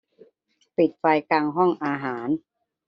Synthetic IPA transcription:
pi˨˩t̪̚fa˧jkaː˧ŋɦɔ˥˩ŋʔaː˧ɦaː˩˦n

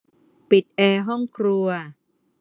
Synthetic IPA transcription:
pi˨˩t̪̚ʔɛː˧ɦɔ˥˩ŋkʰɾu˧ɐ

